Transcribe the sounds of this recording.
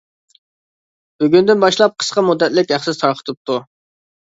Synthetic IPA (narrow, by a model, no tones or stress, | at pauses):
bøɡʲynd̪ɪnbɑʃlˠɑp̚qʰə̥sqɑmud̪ːɛt̪lɪkʲæχsɨzt̪ʰɑɾqʰə̥t̪ʰɨp̚t̪ʰu